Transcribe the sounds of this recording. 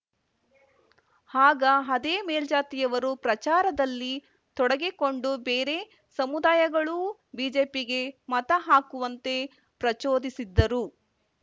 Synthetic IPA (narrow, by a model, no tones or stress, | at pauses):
haːɡɐɦɐd̪eːmeːld͡ʒaːt̪ijɐʋɐɾupɾɐt͡ʃaːɾɐd̪ɐlːi | t̪ɔɽɐɡeko̞ɳɖubeːɾe̞ | sɐmud̪aːjɐɡɐɭu | biːd͡ʒe̞ːpiɡe̞mɐt̪ɐɦaːkuʋɐnt̪e̞ | pɾɐt͡ʃoːd̪isid̪ːɐɾu